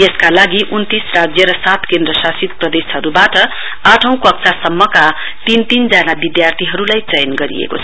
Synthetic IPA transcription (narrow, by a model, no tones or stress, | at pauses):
jeskalaɡiʔunt̪israd͡zjʌɾʌsat̪ʰkẽnd̪rʌsasit̪prʌd̪esɦʌɾubaʈʌ | aʈʰʌ̃w̃kʌk̚sʰasʌmːʌka | t̪int̪ind͡zanabid̪jart̪ʰiɦʌɾulajt͡sʌjnɡʌɾḭḛko̰t͡sʰʌʌ